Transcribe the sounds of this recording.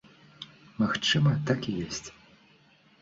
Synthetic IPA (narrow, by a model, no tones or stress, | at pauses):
maxt͡ʂɨmɐt̪akʲijɔsʲt͡sʲ